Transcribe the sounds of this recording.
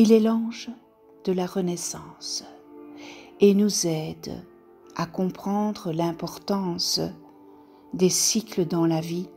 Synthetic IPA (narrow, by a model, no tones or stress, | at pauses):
ilelɑ̃ʒ | d̪əlaʁənɛsɑ̃ːs | enuzɛd̪ | akɔ̃pχɑ̃d̪ʁəlɛ̃pɔʁt̪ɑ̃s | d̪esikləd̪ɑ̃lavi